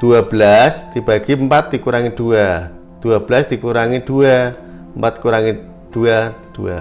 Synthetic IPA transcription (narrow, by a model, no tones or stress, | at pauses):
d̪̥uabəlasd̪̥ibaɡ̥impat̪̚d̪ikuɾaŋid̪̥ua | d̪̥uabəlasd̪̥ikuɾaŋid̪̥ua | əmpat̪̚kuɾaŋi | d̥uad̪̥ua